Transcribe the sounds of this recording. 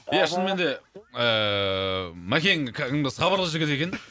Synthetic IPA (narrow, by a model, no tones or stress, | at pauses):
jaʃənəme̞nd̪eə | mækʲeŋkʰɪŋəsχɑbəɾlˠəʒɪɡʲɪt̪e̞kʲen